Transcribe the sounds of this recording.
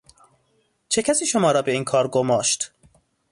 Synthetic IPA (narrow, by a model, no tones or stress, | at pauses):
t͡ʃʰecʰæsiːʃomɒːɾɒːbe̞iːnkʰɒːɾɡomɒːʃt̪